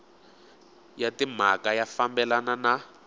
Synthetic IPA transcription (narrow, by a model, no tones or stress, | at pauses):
jatim̤akajafambɛlanana